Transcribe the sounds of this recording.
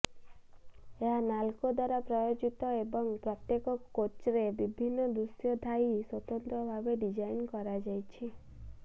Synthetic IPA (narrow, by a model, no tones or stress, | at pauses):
eɦanalkod̪waɾapɾɔjod͡ʒit̪ɔebɔŋpɾɔt̪jekɔkːot͡ʃɾebibʱinːɔd̪ɾusjɔd̪ʱaiswɔt̪ɔnt̪ɾɔbʱabeɖid͡ʒajnkɔɾad͡ʒajt͡ʃʰi